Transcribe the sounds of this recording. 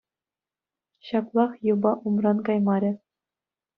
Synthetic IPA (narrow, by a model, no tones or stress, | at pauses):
ɕɑklˠɑχjɤ̆bɑʔumrɑnkɑjmɑɾʲɘ̆